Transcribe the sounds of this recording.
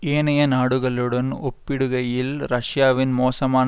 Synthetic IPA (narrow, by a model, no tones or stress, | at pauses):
eːnɐjɐnaːɽɯɣɐɭɯɽɐnopːɪɽɯɣɐjɪlɾɐʂjaːʋɪnmoːsɐmaːn